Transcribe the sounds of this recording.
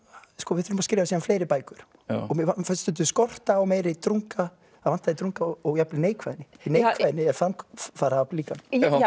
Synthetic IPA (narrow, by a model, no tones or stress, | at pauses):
skɔːvɪðfɪlʏmaskɾevasiːðanfleːjɾɪpaːjkʏɾ̥ | ɔɣmɛvafast̪ʏnt̪̬ʏskɔr̥t̪aːwmɛːɾɪt̪ɾuŋka | avan̥t̪aðit̪ɾuŋkaɔɣjaplɪneːjkvajðɪnːɪinejkʰvaðɪnːɪɛfanfaːɾaaliːkan